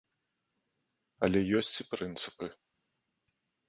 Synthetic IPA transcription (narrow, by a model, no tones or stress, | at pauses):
ɐlʲɛjɔsʲt͡sʲipɾɨnt̪sɨ̥pɨ